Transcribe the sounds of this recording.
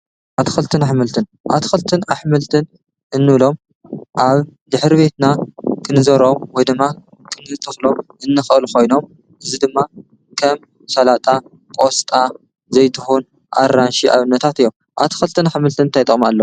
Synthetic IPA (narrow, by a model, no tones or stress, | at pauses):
ʔat̪ʰxɨlt̪ʰɨnaħmɨlt̪ʰɨn | ʔat̪ʰkɨlt̪ʰɨnaħmɨlt̪ʰɨn | ʔɨnːɨβlo̞m | ʔaβd̪ɨħɾiβe̞t̪nakʰɨnɨzɐɾo̞mwɔjd̪ɨmːa | kʰɨnɨt̪ʰɨxlo̞mʔɨnːɨxɨluko̞jno̞m | ʔɨzid̪ɨmːa | kʰɐm | sɐlat̪ʼa | kʼost̪ʼa | zɐjt̪ʰɨxun | ʔa̰rːanʃiʔa̰βɨnːɐt̪ʰat̪ɨjːom | ʔa̰t̪ʰxɐlt̪ʰɨnaħmɨlt̪ʰɨnɨnt̪ʰajt̪ʼɨ̰malːɐ